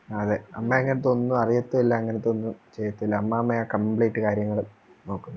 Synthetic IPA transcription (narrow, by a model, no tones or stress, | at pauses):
ɐðɨɐmːeɐŋːɐnet̪ːo̞nːuɐrijɐt̪ːuilːaɐŋːɐnet̪o̞nːut͡ɕe̞jːɐt̪ːuilːɐːɐmːɐɐmːɐjakɐmbɭeːʈːɨkaːɾjɐŋːɐɭu | no̞ːkːunːu